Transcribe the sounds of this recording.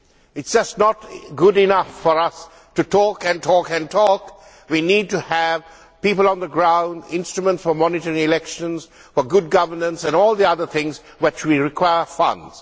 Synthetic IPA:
ɪtsd͡ʒ̥ʌstnɔtɡʊdɪnʌfːɔɾʌs | tutʰɔkɨ̃ntʰɔkɨ̃ntʰɔk | winiːd̚ʈuæv | pipələ̃nd̪əɡɹãʊ̃ndɪ̃nstɹumə̃ntsfɔmɔnɪtəɹɪ̃ŋɪlɛkʃə̃nz̥ | fɔɡʊd̚ɡʌvə˞nə̃nsɛ̃nɔːlˠd̪iʌðət̪ʰɪ̃ŋz | wɪt͡ʃwiɹɪkʰwaɪəfʌ̰̃ndz̥

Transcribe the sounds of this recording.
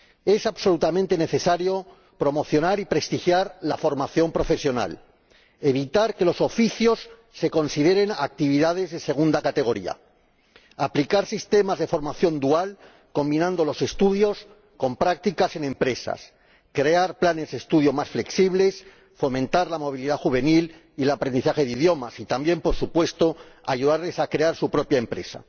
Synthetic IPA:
e̞saβso̞lut̪amẽnt̪e̞ne̞θe̞saɾjo̞ | pɾo̞mo̞θjo̞naɾipɾe̞st̪ixjaɾlafo̞ɾmaθjo̞mpɾo̞fe̞sjo̞na̰l | e̞β̞it̪aɾke̞lo̞so̞fiθjo̞sː | e̞ko̞nsið̞e̞ɾe̞na̰k̚t̪iβ̞iðað̞e̞zðe̞se̞ɣ̞und̪akat̪e̞ɣ̞o̞ɾḭa̰ | aplikaɾsist̪e̞mazðe̞fo̞ɾmaθjo̞nd̪ual | ko̞mbinãnd̪o̞lo̞se̞st̪uð̞jo̞s | ko̞mpɾak̚t̪ikase̞nẽ̞mpɾe̞sa̰s | kɾe̞aɾplane̞zðest̪uð̞jo̞masfle̞ksiβle̞s | fo̞mẽnt̪aɾlamo̞β̞iliðaxuβe̞nil | ilapɾend̪iθaxe̞ð̞iðjo̞masit̪ambje̞mpo̞ɾsupwe̞st̪o̞a̰ʝuðaɾle̞sakɾe̞aɾsupɾo̞pjaempɾe̞sa̰

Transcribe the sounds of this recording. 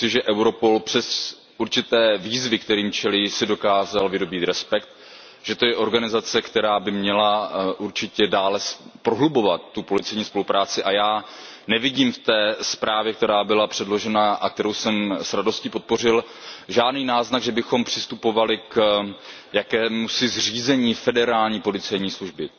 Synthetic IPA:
ɪʒɛʔɛwɾo̞po̞lpr̥ɛs | ʔuɾt͡ʃɪt̪ɛːviːzvɪkt̪ɛɾiːmt͡ʃɛlisɪdo̞kaːzalvɪdo̞biːt̪ɾɛspɛk̚t̪ | ʒ̥ɛt̪o̞jɛʔo̞ɾɡanɪzat͡sɛkt̪ɛɾaːbɪmɲɛlaʔuɾt͡ʃɪcɛdaːlɛspɾoɦlubo̞vat̪ːupo̞lɪt͡sɛjɲiːspo̞lupɾaːt͡sɪʔajaː | nɛvɪɟiːmft̪ɛːspɾʔaːvjɛk̚t̪ɛɾaːbɪlapr̝̥ɛdlo̞ʒɛnaʔakt̪ɛɾowsɛmsɾado̞scipo̞t̪̚po̞r̝ɪl | ʒaːdniːnaːznaɡʒɛbɪxo̞mpr̝̥ɪst̪upo̞valɪk | jakɛːmusɪzr̝iːzɛɲiːfɛdɛɾaːlɲiːpo̞lɪt͡sɛjɲiːsluʒbɪ

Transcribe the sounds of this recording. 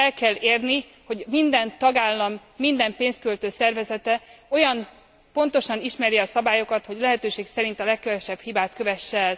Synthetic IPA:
ɛlkɛlːeːrni | ho̞ɟmind̪ɛnt̪ɒɡaːlːɒmːind̪ɛmpeːnst̪kølt̪øːsɛrvɛzɛt̪ɛo̞jɒn | po̞nt̪o̞ʃɒniʃmɛɾiɒsɒbaːjo̞kɒt̪ho̞ɟlɛɦɛt̪øːʃeːksɛɾint̪ɒlɛkːɛvɛʃɛbhibaːt̪køvɛʃːɛl

